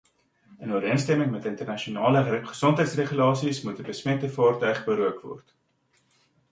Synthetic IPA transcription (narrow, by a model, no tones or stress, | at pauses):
ənuəɾiənstɛməŋmɛtəntərnɐʃionɑːləχə̥sɔntɦəjtsreχylɑːsismut̚dəbəsmɛtəfɑːrtœɥχbəɾuəkvɔ̰rt